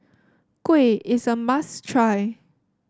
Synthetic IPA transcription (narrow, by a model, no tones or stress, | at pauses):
kweɪsəmastʰɹaj